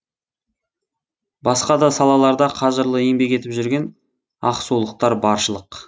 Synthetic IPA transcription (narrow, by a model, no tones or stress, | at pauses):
bɑsqɑd̪ɑsɑlˠɑlˠɑɾd̪ɑqʰɑʒəɾlˠəe̞ŋbe̞ke̞t̪ɪpʒʏɾɡʲe̞n | ɑqsulˠəq̚t̪ɑɾbɑɾʃəlˠəq